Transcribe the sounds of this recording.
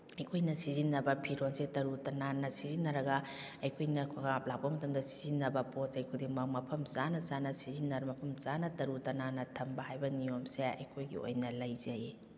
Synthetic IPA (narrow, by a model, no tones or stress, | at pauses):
ɐjkʰojnɐsizinːɐbɐpʰiɾonsetɐɾutɐnanɐsizinːɐɾɐɡɐ | ɐjkʰojnɐkʰkaap̚lak̚bɐmɐtɐmdɐsizinːɐbɐposɐjkʰudiŋmɐmɐpʰɐmt͡ʃanɐzanɐsizinːɐɾmɐpʰɐmt͡ʃanɐtɐɾutɐnanɐtʰɐmbɐhajbɐnijomseɐ̰jkʰojɡḭo̰jnɐlɐjzɐji